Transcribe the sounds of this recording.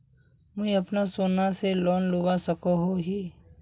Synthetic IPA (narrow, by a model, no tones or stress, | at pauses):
mʊɐpnasoːnaselɔːnloːʋasɐkoɦoɦiː